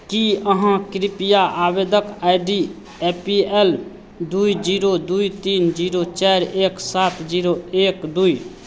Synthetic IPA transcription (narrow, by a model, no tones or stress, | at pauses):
kiəɦãkɾipijaʔabed̪əkaɪɖi | epiɛl | d̪uid͡ʒiɾod̪uit̪iːnd͡ʒiːɾot͡ʃɛɾeːksaːt̪d͡ʒiɾoeːkd̪ui